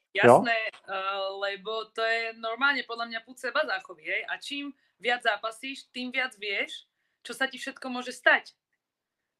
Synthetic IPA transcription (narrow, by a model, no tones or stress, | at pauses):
jasnɛː | lɛbɔt̪ɔjɛnɔɾmaːlɲɛpɔd̪lamɲapuːt͡sɛbazaːxɔʋiɦɛjʔat͡ʃiːm | ʋɪad͡zzaːpasiːʃt̪iːmʋɪad͡zʋɪɛʃ | t͡ʃɔsacifʃɛt̪kɔmʊɔʒɛst̪ac